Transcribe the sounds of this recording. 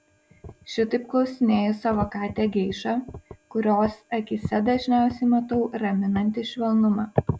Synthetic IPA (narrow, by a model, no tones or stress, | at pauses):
ʃʲɪt̪ɐɪp̚klˠɒʊsʲɪnʲeːjʊsɐʋoːkɑːt̪ʲeːɡʲɛɪʃɑːkʊɾʲoːsɐkʲɪsʲɛd̪ɐʒʲnʲæˑʊsʲɛɪmɐt̪ɐʊɾɐmʲɪnɐnʲt̪ʲɪʃʲʋʲɛlˠnʊmɑː